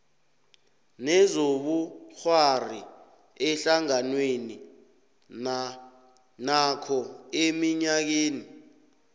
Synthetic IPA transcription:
nɛzoɓuxwari | ɛɬaŋanweni | nakʰɔemiɲak̬eːni

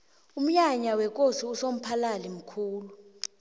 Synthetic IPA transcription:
um̩ɲaɲawɛk̬ʼosiusom̩pʰalalim̩kʰuːlu

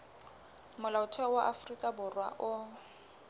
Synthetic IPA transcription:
mʊlaʊtʰwɛwaʔafrikʼabʊrwa̰ʔʊ

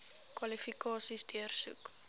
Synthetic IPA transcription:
kwɐlifikɑːsisdiərsṵk

